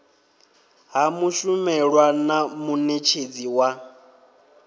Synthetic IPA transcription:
ɦamuʃumɛɺwanamunet͡ʃʰed͡ziwa

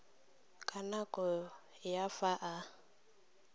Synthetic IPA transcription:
kʼanakʼɔ | jafaʔa

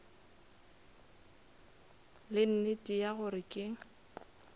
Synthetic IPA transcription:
lɪn̩nɪtʼijaɣʊɾɪkʼɪ

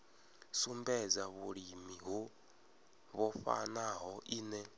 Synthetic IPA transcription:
sumbɛd͡zaβuɺimiɦu | βɔfa̰naɦɔʔiːnɛ

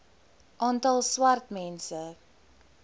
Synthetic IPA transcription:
ʔɑːntɐlˠswɐrtmɛnsə

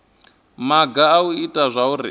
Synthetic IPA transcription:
maɡaːuitʼazʷaurḭ

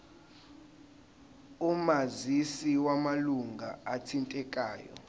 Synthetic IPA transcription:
umazisiwamaluŋɡʱaatʰintʼɛkʼa̰ːjɔ̰

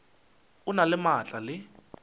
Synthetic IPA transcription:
ʊnalɪmat͡ɬʼalɪ

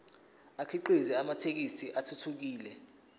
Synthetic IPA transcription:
akʰiǃizɛamatʰek̬isʰiʔatʰutʰuk̬iːlɛ

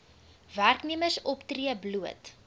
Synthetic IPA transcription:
værkniəməsɔptriəbluət

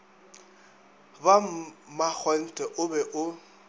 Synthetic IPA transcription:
bamak͡xʰɔn̩tʼɛʔʊbɛʔʊ

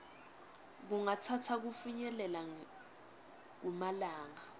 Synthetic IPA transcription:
k̬uŋatʰatʰak̬ufiɲɛlɛlaŋ | k̬umalaːŋa

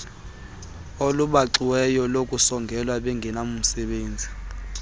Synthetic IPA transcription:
oluɓaǁiwɛjɔlokʼusɔŋɡʱɛlwaɓɛŋɡʱɛnamum̩sɛɓeːnd͡zʱi

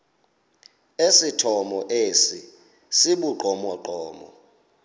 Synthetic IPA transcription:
esitʰɔmɔʔeːsi | siɓuǃɔmɔǃɔːmɔ

